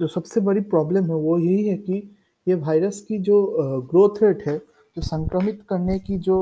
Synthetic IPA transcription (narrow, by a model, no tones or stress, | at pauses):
d͡ʒoːsɐbsebɐɽipɾɔːbləmɦɛʋojɐɦiɦɛki | jeʋaːɪɾəskid͡ʒoːɡɾoːt̪ʰɾeːʈɦɛ | d͡ʒoːsɐ̃ŋkɾəmɪt̪kɐɾnekid͡ʒoː